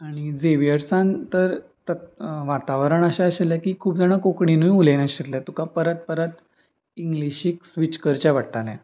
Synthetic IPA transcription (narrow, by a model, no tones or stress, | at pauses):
aɽ̃id͡zeʋijəɾsãnt̪əɾt̪əʋat̪aʋəɾəɳ̃əɕaəɕaljakiːkʰuːp̚d͡zaɽ̃akokɳinujulenaɕit̪ljat̪ukapəɾət̪̚pəɾət̪ | iŋɡliɕiksʋit͡ɕkəɾt͡ɕaʋaʈʈaljɛ̰̃